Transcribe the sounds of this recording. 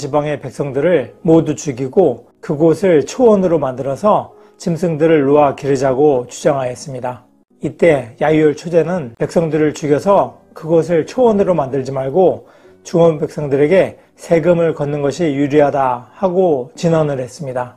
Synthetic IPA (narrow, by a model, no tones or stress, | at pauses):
t͡ɕibaŋe̞pe̞k̚s͈ʌŋdɯɾɯɭmodut͡ɕuɡiɡo | kɯɡosʰɯɭt͡ɕʰowʌnɯɾomandɯɾʌsʰʌ | t͡ɕimsʰɯŋdɯɾɯɭːoakiɾɯd͡ʑaɡot͡ɕud͡ʑaŋɦajʌs͈ɯmɲida | it͈e̞jajʌɭt͡ɕʰod͡ʑe̞nɯnpe̞k̚s͈ʌŋdɯɾɯɭt͡ɕuɡjʌsʰʌ | kɯɡʌs̬ʰɯɭt͡ɕʰowʌnɯɾomandɯɭd͡ʑimaɭɡo | t͡ɕuʌnbe̞k̚s͈ʌŋdɯɾe̞ɡe̞ | sʰe̞ɡɯmɯɭkʌnːɯnɡʌɕʰijuɾiɦadahaɡot͡ɕinʌnɯɭɦe̞s͈ɯmɲida